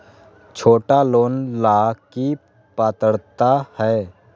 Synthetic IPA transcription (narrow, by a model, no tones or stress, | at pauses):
t͡ʃʰoːʈaloːnlaːki | paːt̪əɽt̪ahɛː